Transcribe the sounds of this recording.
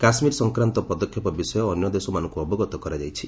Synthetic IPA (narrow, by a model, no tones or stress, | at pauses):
kasmiɾɔsɔŋkɾant̪ɔpɔd̪ɔkʰːjɔpɔbisɔjɔːnjɔd̪esɔmanɔ̃ŋkuɔbɔɡɔt̪ɔkɔɾad͡ʒajt͡ʃʰi̥